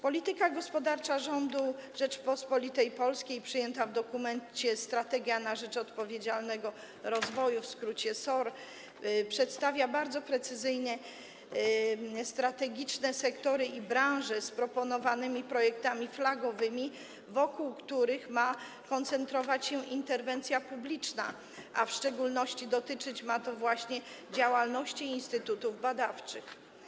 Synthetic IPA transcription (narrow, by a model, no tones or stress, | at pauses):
pɔlʲit̪ɘkaɡɔspɔd̪aɾt͡ʂaʐɔnd̪uʐɛt͡ʂpɔspɔlʲit̪ɛjpɔlskʲejpʂɘjɛnt̪avd̪ɔkumɛnt͡ɕɛst̪ɾat̪ɛɡʲjanaʐɛt͡ʂɔt̪pɔvʲjed͡ʑalnɛɡɔ | ɾɔzvɔjufskɾut͡ɕɛsɔɾ | pʂɛt̪st̪avʲjabaɾd̪zɔpɾɛt̪sɘzɘjɲɛ | st̪ɾat̪ɛɡʲit͡ʂnɛsɛkt̪ɔɾɘʔibɾãw̃ʐɛspɾɔpɔnɔvanɘmʲipɾɔjɛk̚t̪amʲiflaɡɔvɘmʲi | vɔkuwkt̪uɾɘxma | kɔnt̪sɛnt̪ɾɔvat͡ɕɕɛʔint̪ɛɾvɛnt̪sʲjapublʲit͡ʂna̰ | ʔafʂt͡ʂɛɡulnɔɕt͡ɕid̪ɔt̪ɘt͡ʂɘt͡ɕmat̪ɔvwaɕɲɛ | d͡ʑawalnɔɕt͡ɕiːnst̪ɘt̪ut̪uvbad̪aft͡ʂɘx